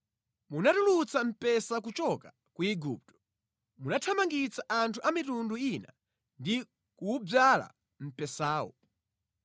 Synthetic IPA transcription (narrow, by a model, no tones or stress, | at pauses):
munatulut͡sam̩pɛsakut͡ʃɔka | kuiɡṵːp̚tɔ̥ | munatʰamaŋɡit͡saʔantʰuʔamitunduina̰ | ndi | kuːb͡vala̰ | m̩pɛsaːwɔ̰